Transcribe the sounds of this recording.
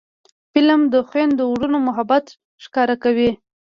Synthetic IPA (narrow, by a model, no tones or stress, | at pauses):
fɪlamd̪əxwend̪əwɽənomʊɦabat̪ | ʃkɑɾakawi